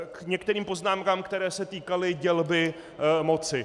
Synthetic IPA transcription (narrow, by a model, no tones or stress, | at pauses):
kɲɛkt̪ɛɾiːmpo̞znaːmkaːmkt̪ɛɾɛːsɛt̪iːkalɪɟɛlbɪ | mo̞t͡sɪ